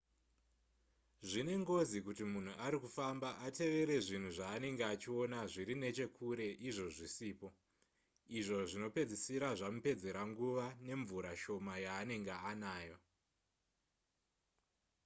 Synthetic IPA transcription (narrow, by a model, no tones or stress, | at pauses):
ʐine̞ŋɡo̞zikutimun̤uʔaɾikufambaʔate̞ʋe̞ɾe̞ʐin̤uʐaːne̞ŋɡeat͡ʃio̞naʐiɾine̞t͡ʃe̞kʰuɾe̞ʔiʐo̞ʐisiːpo̞ | iʐo̞ʐino̞pe̞d͡zisiɾaʐamupe̞d͡ze̞ɾaŋɡuʋane̞ɱvuɾaʃo̞majaːne̞ŋɡeanaːjo